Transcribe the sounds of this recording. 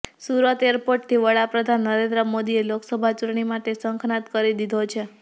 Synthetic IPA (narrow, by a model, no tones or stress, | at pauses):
suɾət̪eəɾpoʈ̚t̪ʰiʋəɽapɾəd̪ʱanːəɾẽnd̪ɾəmod̪ieloksəbʱat͡ʃʊʈɳimaʈesəŋkʰnat̪kəɾid̪id̪ʱot͡ʃʰe